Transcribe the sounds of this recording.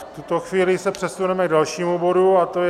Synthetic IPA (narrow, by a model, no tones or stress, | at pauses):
t̪ut̪o̞xviːlɪsɛpr̥ɛsunɛmɛɡ̚dalʃiːmubo̞ɾuat̪oj